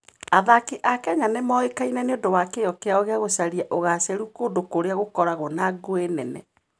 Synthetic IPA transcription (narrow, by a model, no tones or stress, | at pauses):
aðakiʔakɛɲanemɔekainɛneodowakejɔkeaoɣeaɣosaɾiaʔoɣasɛɾukodokoɾeaɣokɔɾaɣɔnaɡoenɛnɛ̰